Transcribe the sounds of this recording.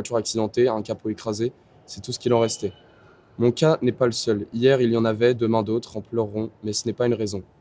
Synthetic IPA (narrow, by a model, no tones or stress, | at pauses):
at̪yʁaksid̪ɑ̃t̪eɛ̃kapoekχaze | sɛt̪usə̥kʲilɑ̃ʁɛst̪ɛ | mɔ̃kʲanɛpaləsœlijɛʁiljɑ̃navɛd̪əmɛ̃d̪ot̪χɑ̃plœʁːɔ̃mɛsənɛpaynʁezɔ̃